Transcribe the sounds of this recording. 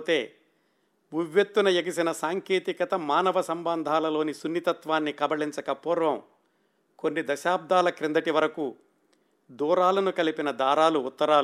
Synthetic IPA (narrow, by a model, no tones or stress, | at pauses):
t̪e̞ː | uʋjet̪ːunɐjeɡisinɐsaːŋke̞ːt̪ikɐt̪ɐmaːnɐʋɐsɐmbɐnd̪ʱaːlɐlo̞ːnisunːit̪ɐt̪ʋaːnːikɐbɐɭiɲt͡ʃɐkɐpuːɾʋɐm | konːid̪ɐʃaːb̚d̪ʱaːlɐkɾind̪ɐʈiʋɐɾɐku | d̪uːɾaːlɐnukɐlipinɐd̪aːɾaːluːt̪ːɐɾaː